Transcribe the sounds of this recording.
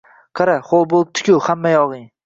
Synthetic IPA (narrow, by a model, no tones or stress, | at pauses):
qʰɑɾaχolˠbolˠɪp̚t̪ʰʊ̥kʲʰʊhamːajɒʁɪŋ